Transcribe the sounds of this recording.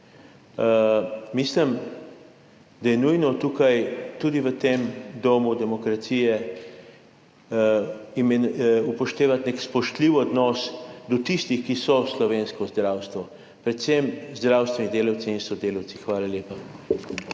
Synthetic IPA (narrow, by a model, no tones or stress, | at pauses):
mislim | d̪ajɛnujnɔt̪ukajt̪ud̪iʋət̪emd̪oːmud̪ɛmɔkɾat̪sijɛ | imɛupɔʃt̪eːʋat̪nekspɔʃt̪liwɔd̪nɔsd̪ɔt̪ist̪ixkisɔslɔʋeːnskɔzd̪ɾawst̪ʋɔ | pɾɛt̪semzd̪ɾaːwst̪vʋɛnid̪eːlawt̪siinsɔd̪eːlawt̪sixʋaːlaljeːpa